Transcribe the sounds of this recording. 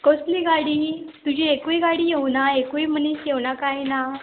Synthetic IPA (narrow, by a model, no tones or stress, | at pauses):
kosliɡaɽiːt̪ud͡ʑiekujiɡaɽiːjewnaekuim̤əniːɕjeʋnakajna